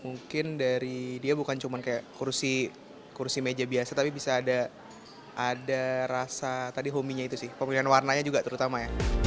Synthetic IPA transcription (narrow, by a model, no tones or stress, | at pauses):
muŋkɪndaɾidiabukant͡ʃumankajaʔkursi | kursimed͡ʒabiasat̪apibisaːda | ʔːdaɾasat̪adiɦomiɲait̪usɪhpəmianwarnaɲad͡ʒuɡat̪əɾut̪amaja